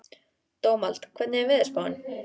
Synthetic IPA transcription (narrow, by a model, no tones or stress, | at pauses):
t̪oːwmal̥t̪kʰvɛt̪nɪɛvɪðɛspawn